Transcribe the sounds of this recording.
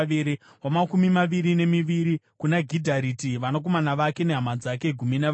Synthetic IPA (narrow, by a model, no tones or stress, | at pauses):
iɾi | ɦwamakumimaʋiɾine̞miʋiɾikunaɡʱidʱaɾitiʋanak̬o̞manaʋake̞ne̞ɦamad͡zake̞ɡʱuminaʋ